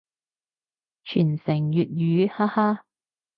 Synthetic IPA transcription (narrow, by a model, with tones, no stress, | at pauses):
t͡ʃʰyː˨˩nsɪ˨˩ŋjyː˨t̚jyː˨˧˦haː˥haː˥